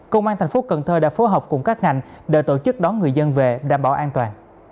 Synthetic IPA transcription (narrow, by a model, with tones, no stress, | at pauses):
kə˧wŋ͡mʔaː˧nt̪ʰa˨˩ŋfo˨˦kə˨˩nt̪ʰəː˧˩ɗa̰ː˧˥fo˨˦jɦɔː˨˩wk͡p̚kʊ˨˩ŋ͡mkaː˦˥k̚ŋa̰˨˧˩jŋ̟ɗe˧˩t̪o˧˩t͡ɕɨ˦˥k̚ɗɔ˨˦nŋɨ˨˩əjzə˧nve˨˩ɗaː˧˩mɓa̰ː˧˩wʔaː˧nt̪waː˨˩n